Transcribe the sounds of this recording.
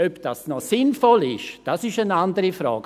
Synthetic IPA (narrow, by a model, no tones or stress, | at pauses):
øpd̥asnɔsɪnfɔlɪʃd̥asɪʃənandəɾifɾa̰ːɡ